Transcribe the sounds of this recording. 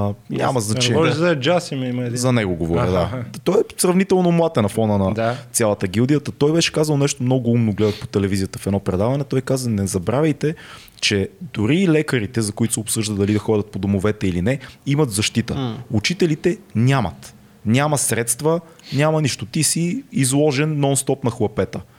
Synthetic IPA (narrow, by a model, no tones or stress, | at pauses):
nʲa̰mɐzɐt͡ʃɛzɐd͡ʒasimɐimzɐnɛɡoɡovoɾəd̪at̪ɔɛsɾɐvnit̪ɛlˠnomlˠat̪ɛnɐfɔnənɐt̪sʲalˠɐt̪əɡilˠd̪ijət̪ət̪ɔjbɛʃɛ̥kazɐlˠnɛʃt̪omnɔɡʊumnoɡlɛd̪ət̪po̥t̪ɛlɛvizijət̪əfɛd̪ɔpɾɛd̪avɐnɛt̪ɔjkazənɛzɐbɾavʲəjt̪ɛ | t͡ʃɛd̪ʊɾilɛkəɾit̪ɛzɐkʊit̪ʊ̥sɛopsɤʒd̪ət̪d̪ɐlid̪ɐxɔdʲɐt̪̚pod̪omovɛt̪ɛilinɛimɐt̪zɐʃt̪it̪əut͡ʃit̪ɛlit̪ɛnʲamɐ̰t̪ | nʲamɐsɾɛt̪st̪və | nʲamɐniʃt̪ot̪isiːzlˠɔʒɛnːɔnst̪ɔpnɐxlˠɐpɛt̪ə